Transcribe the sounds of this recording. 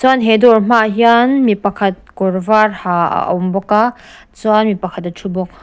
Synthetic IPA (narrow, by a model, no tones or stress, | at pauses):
t͡sanɦedɔɾm̥ajanmipakʰɐt̚kɔɾvaɾha̰wmbɔka | t͡suanmipakʰat̚atʰubɔk̚